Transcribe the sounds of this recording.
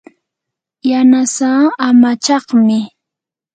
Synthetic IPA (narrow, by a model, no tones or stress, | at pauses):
janasaːamat͡ʃɑχmɪ